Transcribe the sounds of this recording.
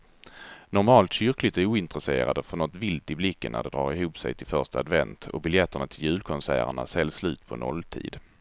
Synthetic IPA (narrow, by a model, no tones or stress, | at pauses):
nɔɾmɑːlt̪ɕʏɾklɪt̪æɾuːɪnt̪ɾəsḛːɾa̰d̪əfœnɔt̪vɪlt̪ɪblɪkːənːʔæ̰ɖɛd̪ɾɑ̰ːɾɪɦuːpsɛ̰jt̪ʰɪlfœʂtaad̪vɛnt̪ɔ̰bɪljɛt̪ːəɳat̪ʰɪljʉ̟ːlkʰɔnsæ̰ːɾə̰ɳa̰sɛlːslʉ̟ːt̪pʰɔnɔlːt̪ʰḭːd̪